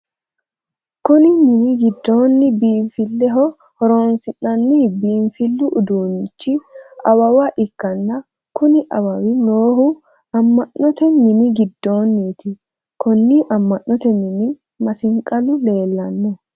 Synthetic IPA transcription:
kʊnɪmɪnɪɡɪd̪ːo̞ːnːɪbiːɱfɪlːɛɦɔ | hɔɾoːnsɪnɐnːibiːɱfɪlːʊʔʊd̪uːnt͡ʃːɪʔɐwɐwɐʔɪkːɐnːɐ | kʊnɪʔɐwɐwɪnoːhʊ | ɐmːɐʔːɔt̪ɛmɪnɪɡɪd̪ːo̞ːnːiːt̪ɪ | kɔnːiʔɐmːɐʔːɔt̪ɛmɪnɪ | mɐsɪŋkʼɐlʊle̞ːlːɐnːɛ

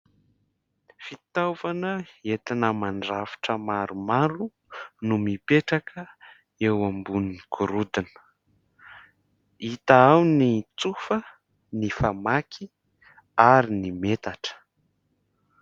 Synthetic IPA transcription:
fit̪avanəet̪inəmaɳɖ͡ʐafi̥ʈ͡ʂəmaɾumaɾu | numipeʈ͡ʂakʰə | ewambunikuɾud̪inə̥ | it̪aawnit͡sufə | nifamakʰi | aɾinimet̪aʈ͡ʂə̥

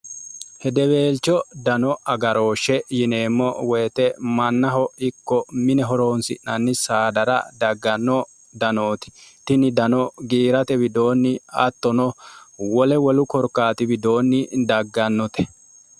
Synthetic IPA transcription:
hɛd̪ɛbe̞ːlt͡ʃːɔd̪ɐnɔʔɐɡɐɾo̞ːʃɛjɪneːmːɔwɛjt̪ɛmɐnːɐɦɔɪkːɔmɪnɛɦɔɾo̞ːnsɪ̰ʔnɐnːɪsaːd̪ɐɾɐ̰d̪ɐɡːɐnːɔ | d̪ɐnoːt̪ɪ̥t̪ɪnɪd̪ɐnɔɡiːɾɐt̪ɛbɪd̪o̞ːnːɪɐ̰t̪ːɔnɔwɔlɛwɔlʊkɔɾkːaːt̪ɪbɪd̪o̞ːnːɪd̪ɐɡːɐnːɔt̪ɛ̥

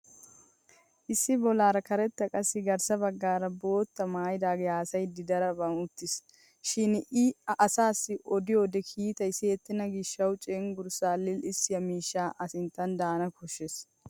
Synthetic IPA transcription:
ʔɪsːɪbɔlaːɾɐkɐɾɛt̪ːɐkʼɐsːɪɡɐɾsɐbɐɡːaːɾɐbo̞ːt̪ːɐmaːjɪd̪aːɡeaːsɐjd̪ɪd̪ɐɾɐbɐnʊt̪ːɪs | ʃɪnʔɪɐsaːsːɪʔɔd̪ɪjoːd̪ɛkʰiːt̪ɐjseːt̪ːɪnɐɡɪʃːɐwt͡ʃʼeŋɡʊɾsaːlːɪlɪsːɪjɐmiːʃːaːʔɐsɪnt̪ːɐnd̪aːnɐkʰɔʃːes

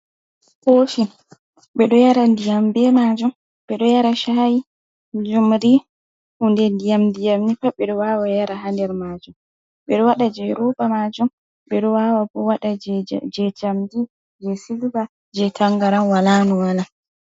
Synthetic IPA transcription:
hoːfi | ɓɛɗɔjaɾandijambɛmad͡ʒum | ɓɛɗɔjaɾaʃaji | d͡ʒumɾi | hundɛndijamdijamnifaɓɛɗɔwawajaɾaɦandɛɾmad͡ʒum | ɓɛɗɔwaɗad͡ʒɛɾɔbamad͡ʒum | ɓɛɗɔwawabɔwaɗad͡ʒɛd͡ʒamdi | d͡ʒɛsilba | d͡ʒɛtaŋɡaɾanwalaːnuwala

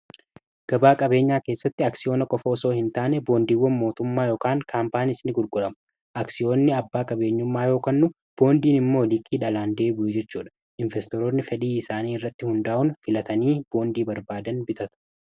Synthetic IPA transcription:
ɡ̥ɐbaːkʼɐbe̞ːɲːaːke̞ːsːɐt̪ːɪɐksɪjo̞ːnɐkʼɔfoːso̞ːhɪnt̪aːnɛbo̞ːnd̪iːwːɐnmo̞ːt̪ʊmːaːjoːkaːŋkʰaːmpaːnɪsnɪɡʊɾɡʼʊᶑɐmʊ̥ | ʔɐksɪjo̞ːnːɪɐbːaːkʼɐbe̞ːɲːʊmːaːjo̞ːkɐnːʊ | b̥o̞ːnd̪iːnɪmːo̞ːlɪkʼːiːᶑɐlaːnd̪e̞ːbʊjɛd͡ʒɛt͡ʃːuːᶑɐ̥ | ʔɪɱvɛst̪ɔɾoːnːɪfɛᶑiːɪsaːniːɪrːɐt̪ːɪhʊnd̪aːʔʊnfɪlɐt̪ɐniːb̥o̞ːnd̪iːbɐɾbaːd̪ɐnbɪt̪ɐt̪ʊ̥

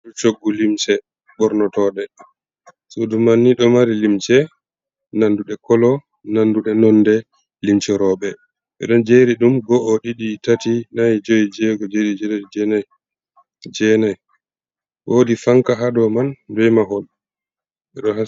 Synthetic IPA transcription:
dut͡ʃoɡːulimsɛ | bɔɾnɔtɔɗɛ | sudumanːiɗɔmaɾilimt͡ʃɛ | nanduɗɛkɔlɔ | nanduɗɛnɔndɛ | limt͡ʃɛɾɔɓɛ | ɓɛ̰ɗɔnd͡ʒeɾiɗumɡɔʔːɗiɗitatinajid͡ʒojid͡ʒɛɡɔd͡ʒeɾid͡ʒɛdɛd͡ʒɛna | d͡ʒɛnɛj | wodifaŋkaɦaɗɔmandɛjmaɦɔl | ʔɛɗɔha

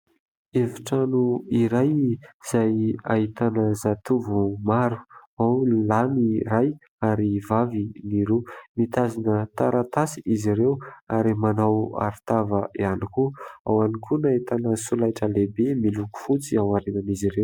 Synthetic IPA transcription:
efi̥ʈ͡ʂanuiɾajz̥ajait̪anəzat̪uvumaɾu̥awllaniraj | aɾivaviniɾumit̪azinət̪aɾat̪asiʔiziɾewaɾimanawa̰ɾt̪avəianikua̰wanikʰunait̪anəsulajʈ͡ʂəlebemiluku̥fut͡siawaɾenaniziɾew

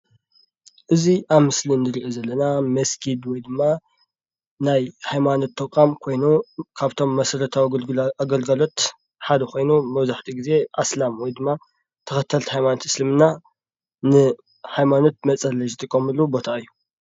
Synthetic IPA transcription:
ʔɨziʔaβmɨsliɨnd̪ɨɾiʔozɐlːɐnamɐskʰid̪wɔjd̪ɨmːa | najhajmano̞t̪ʰːɐkʼamkʰo̞jnukʰaβt̪ʰo̞mːɐsɐɾɐt̪ʰawaɡɐlɡɐlo̞t̪ | ħad̪ɐko̞jnumɐβzaħt̪ʰiɡize̞ʔaslamwɔjd̪ɨmːa | t̪ʰɐxɐt̪ʰːɐlt̪hajmanot̪ɨ̥slɨmɨnːa | nɨ | hajmano̞t̪̚mɐt͡sʼɐlːɐzt̪ʼɨkʼːɐmɨlːubo̞t̪ʰaɨjːu

